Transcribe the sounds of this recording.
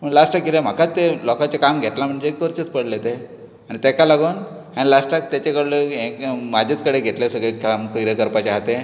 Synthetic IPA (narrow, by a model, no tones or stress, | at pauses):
pəɳlasʈakilem̤akat͡st̪elɔkat͡ɕakamɡʱet̪lam̤əɳd͡zeːkʋəɾt͡ɕət͡spəɽlet̪e | aɽ̃it̪ɛkalaɡuːn | añilasʈak̚t̪jat͡ɕakəɽləekmad͡ʑʱet͡skəɽeɡʱet̪lasəɡɭekamkəɾəkəɾpat͡ɕaɦat̪e